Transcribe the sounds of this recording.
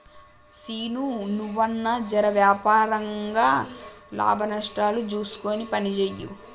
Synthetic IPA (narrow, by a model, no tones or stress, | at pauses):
siːnunuʋːɐnːɐd͡ʒɐɾɐʋjaːpaːɾɐŋɡaːla̰ːbʱɐnɐʂʈaːlut͡ʃuːsu̥koːnipɐnit͡ʃeːjːṵ